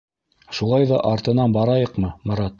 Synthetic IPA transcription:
ʃulˠɑjðɑ̰ʔɑɾt̪ɤ̆nɑnbɑɾɑjɤqmɤmɤ̆ɾɑt̪

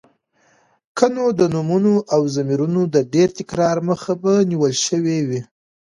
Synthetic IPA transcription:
kənod̪ənumunoʔawzamiɾunod̪əɖeɾt̪ɪkɾɑɾməxabaniwəlʃəwewi

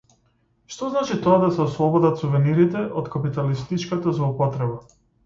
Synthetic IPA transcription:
ʃt̪ɔznat͡ʃit̪ɔad̪asɛɔslˠɔbɔd̪at̪suvɛniɾit̪ɛʔɔt̪kapit̪alist̪it͡ʃkat̪azlˠɔupɔt̪ɾɛba

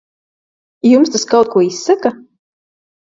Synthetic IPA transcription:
jumst̪askawt̪̚kuɔisːaka

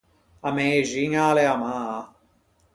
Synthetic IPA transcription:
ɐmeʒiŋaːleamaː

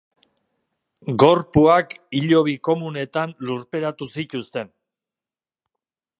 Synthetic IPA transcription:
ɡo̞ɾpuakiʎo̞β̞iko̞mune̞t̪anluɾpe̞ɾat̪usic̪ust̪e̞n

